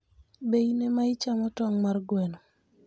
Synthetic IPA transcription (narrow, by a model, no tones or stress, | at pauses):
bejinemaɪt͡ʃamɔtɔŋmarɡwɛnɔ